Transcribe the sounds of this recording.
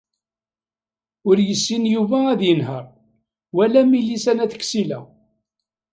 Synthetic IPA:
ʊɾjəsːinjuvææðjənɦəɾˤ | wælæmilisænæθə̥kːsilæ̰

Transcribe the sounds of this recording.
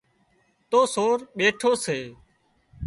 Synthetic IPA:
t̪oːsoːɾɓeːʈʰoːseː

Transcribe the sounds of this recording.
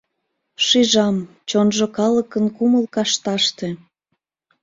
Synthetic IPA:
ʃiʒɑm | t͡ɕonʒokɑləkənkuməlkɑʃt̪ɑʃt̪e

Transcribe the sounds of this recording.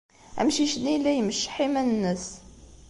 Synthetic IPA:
æ̰mʃiʃnːilːæjməʃːə̥ħimænənːəs

